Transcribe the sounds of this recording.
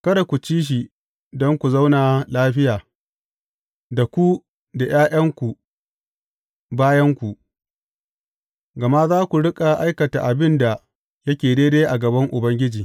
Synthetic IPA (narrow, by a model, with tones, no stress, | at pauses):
kɐ˦ɾa˨kʷu˨t͡ʃiː˦ʃ̬i˨ | dɔ˦ŋkʷu˨za˦wna˨laː˦ɸɪ˦jaː˨ | da˨kʷu˦ | da˨j̰aː˦j̰ɐ˦ŋkʷu˨ | baː˦jɐ˦ŋkʷu˨ʔ | ɡɐ˨ma˦zaː˦kʷu˨ɽɪ˦kʼa˨ʔa˦jkɐ˨ta̰˨ʔa˨bɪ˦nda˨ | jɐ˦kʲeː˨deː˦deː˦ʔa˨ɡɐ˨bɐ˦ŋʔʊ˨bɐ˦ŋɡʲɪ˦d͡ʒiː˨